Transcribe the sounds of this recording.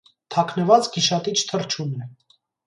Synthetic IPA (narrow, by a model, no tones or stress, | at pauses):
t̪ʰɑkʰnəvɑt͡sɡiʃɑt̪it͡ʃʰt̪ʰərt͡ʃʰunɛ